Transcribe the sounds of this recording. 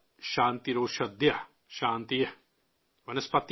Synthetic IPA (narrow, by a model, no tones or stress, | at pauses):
ʃãːnt̪iɾoːʃɐd̪jɐ | ʃaːnt̪ijɐ | ʋɐnɐspɐt̪ː